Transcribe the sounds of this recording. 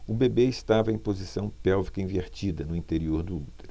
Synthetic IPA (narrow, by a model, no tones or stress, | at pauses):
ʊbebeɪst̪avɐẽj̃pozisɐ̃w̃pɛwvikɐĩveɾt͡ʃid̪ɐnʊĩt̪eɾioɾd̪ʊut̪eɾʊ